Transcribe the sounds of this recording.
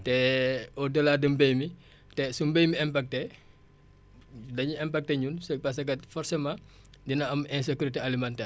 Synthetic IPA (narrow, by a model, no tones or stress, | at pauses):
tɛɔdəlaːdəmbejmi | tɛsumbejmiɛmpak̚tɛ | dɐɲuɛmpak̚tɛɲunsɐk̚pas̬ɐkɐtfɔɾsemã | dinɐɐmɛ̃s̬ekuɾitealimantɛː